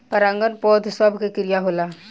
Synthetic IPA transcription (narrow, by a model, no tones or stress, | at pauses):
pɐɾãŋɡənpɔːd̪ʱsəbʱkekɪɾijaɦola